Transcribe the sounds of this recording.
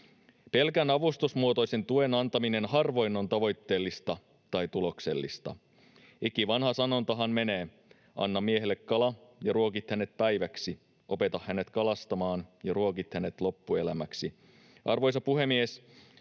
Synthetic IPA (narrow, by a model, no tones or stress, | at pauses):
pe̞lkænɑʋust̪usmuot̪o̞jse̞nt̪ue̞nɑnt̪ɑmine̞nɦɑrʋo̞jno̞nt̪ɑʋo̞jt̪ːe̞ːlːist̪ɑ | t̪ɑjt̪ulo̞kse̞̰lːist̪ɑ̰ | ikiʋɑnhɑsɑno̞nt̪ɑɦɑnme̞neː | ʔɑ̰nːɑmieɦelːekkɑlɑjɑɾuokit̪hæne̞t̪̚pæjʋæksi | ʔo̞pe̞t̪ɑhhæne̞t̪kɑlɑst̪ɑmɑːnjɑruokit̪hæne̞t̪lo̞pːue̞læmæksi | ɑ̰rʋo̞js̬ɑpuɦe̞mies